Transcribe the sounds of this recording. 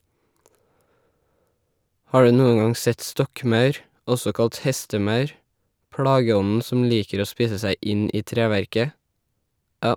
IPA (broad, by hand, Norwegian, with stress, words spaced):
ˈhɑː ˈɖʉː ˈnuːəŋ ˈɡɑŋ ˈsɛt ˈstɔkˌmɑʉɾ ˈɔsɔ ˈkɑlt ˈhɛstəˌmɑʉɾ ˈpɽɑːɡəˌɔnn̩ sm̩ ˈliːkəɾ ˈoː ˈspiːsə ˈsæɪ ˈʔɪn ˈʔiː ˈtɾeːˌʋæɾkə